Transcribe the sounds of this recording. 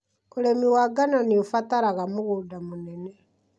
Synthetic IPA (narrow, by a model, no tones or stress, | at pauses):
oɾemiwaɡanoniofataɾaɣamuɣudamunenɛ